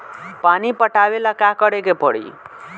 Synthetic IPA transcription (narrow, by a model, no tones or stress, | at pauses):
panipəʈabelakakəɽekepəɽḭ